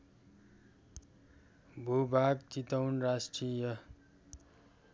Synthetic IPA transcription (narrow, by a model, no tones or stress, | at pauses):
bʱubʱaɡt͡sit̪ʌwnrasʈrijʌ